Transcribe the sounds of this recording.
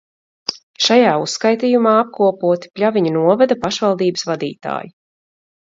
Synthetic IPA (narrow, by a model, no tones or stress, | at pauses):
ʃajaːusːkajt̪iːjumaːap̚kuɔpuɔt̪i̥pʲʎʲavʲiɲunuɔvɛd̪apaʃvalˠd̪iːbɨsvad̪ḭːt̪a̰ːji